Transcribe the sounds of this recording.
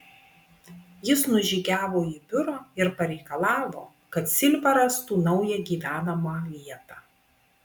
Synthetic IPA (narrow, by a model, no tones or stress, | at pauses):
jɪsnʊʒʲiːɡʲæːʋoːiːbʲʊɾoːɪɾpɐɾʲɛɪkɐlˠɑːʋo̰ː | kɐt̪sʲɪlʲbɐɾɐst̪uːnɒʊjɛɡʲiːʋʲæːnɐmɐlʲiɛt̪ɑː